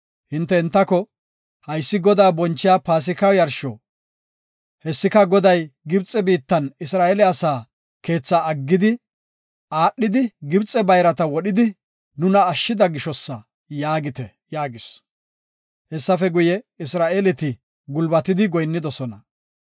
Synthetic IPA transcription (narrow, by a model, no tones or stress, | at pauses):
hɪnt̪ːɛɪnt̪ːɐkɔ | hɐjsːɪɡɔd̪aːbɔnt͡ʃːɪjaːpaːs̬ɪkɐwjɐɾʃɔ | hɛsːɪkɐɡɔd̪ɐjɡɪbt͡sʼɛbiːt̪ːɐnɪsɾaːʔelɛɐsaː | ke̞ːt͡sːaɐɡːɪd̪ɪ | aːɗːɪd̪ɪɡɪbt͡sʼːɛbɐjɾɐt̪ɐwɔɗɪd̪ɪ | nʊnɐːʃːɪd̪ɐɡɪʃɔsːɐ | jaːɡɪt̪ɛ | jaːɡɪs | hɛsːɐfɛɡʊjɛɪsɾaːʔelɛt̪ɪ | ɡʊlbɐt̪ɪd̪ɪɡɔjnːɪd̪ɔsɔnɐ